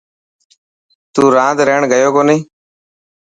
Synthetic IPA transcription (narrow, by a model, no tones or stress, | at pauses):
t̪uːɾãːd̪ɾeːɳɡəjoːkoːniː